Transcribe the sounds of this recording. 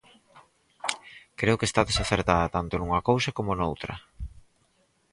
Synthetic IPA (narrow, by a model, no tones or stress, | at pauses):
kɾeʊkest̪aðesaθeɾt̪aðɐt̪ant̪onuŋɐkowsɐkomonowt̪ɾɐ̰